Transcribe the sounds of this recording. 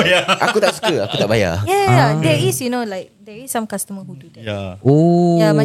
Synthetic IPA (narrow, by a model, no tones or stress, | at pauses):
jaʔakut̪aʔsu̥kəakut̪aʔbaja̰jajadɛisjunolaɪk̚dɛɹisːãmkastəməɦududɛaoja